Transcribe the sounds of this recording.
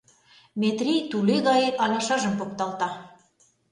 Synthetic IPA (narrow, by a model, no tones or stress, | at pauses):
mʲet̪rʲijt̪uleɣɑjeʔɑlɑʃɑʒəmpokt̪ɑlt̪ɑ